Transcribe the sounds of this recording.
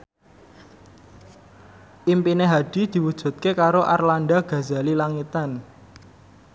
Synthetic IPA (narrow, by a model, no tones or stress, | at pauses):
ʔimpineɦaɖ̥i̤d̪̥i̤wud̥ʒ̥ṳt̪̚kekaɾoʔarlanɖaɡ̥ä̤za̤lilaŋit̪an